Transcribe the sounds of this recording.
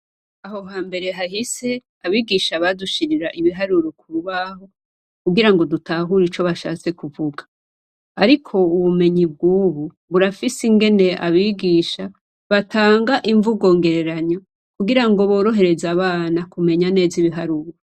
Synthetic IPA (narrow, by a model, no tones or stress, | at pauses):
aɦo̞ɦaːmbe̞ɾe̞ɦahise | aβiːɡiʃaβaduʃiɾiɾaʔiβiɦaɾuɾokuɾuβaho̞ | kuɡiɾaŋɡo̞dutʰaɦuɾit͡ʃo̞βaʃa̰ːt͡se̞kuvuɡḁ | aɾikʰo̞uβume̞ɲib̚ɡuːβu | βuɾafisiŋɡe̞ne̞ʔa̰βiːɡiːʃa | βatʰaːŋɡaʔiɱvuɡo̞ːŋɡe̞ɾe̞ɾaɲo | kuɡiɾaŋɡo̞βo̞ːɾo̞ɦe̞ɾe̞zaβaːnakume̞ɲane̞ːziβiɦaɾuɾo